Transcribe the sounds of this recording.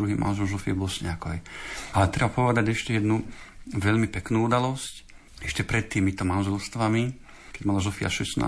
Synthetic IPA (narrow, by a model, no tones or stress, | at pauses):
ɾuɦiːmʔa̰nʒɛlzɔfiɛbɔlsɲɛakɔjɛalɛt̪ɾɛbapɔʋɛd̪aɟɛʃcɛjɛd̪nuʋɛʎmipɛknuːud̪alɔsc | ɛʃcɛpɾɛt̪ːiːmit̪ɔmanʒɛlst̪ʋami | kɛɟmalazɔfia̰ʃɛsna̰ː